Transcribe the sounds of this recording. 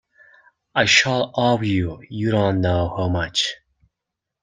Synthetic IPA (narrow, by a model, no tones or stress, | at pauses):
aɪʃɔlˠɔvjujɨɾõnːoʊhaʊmʌt͡ʃ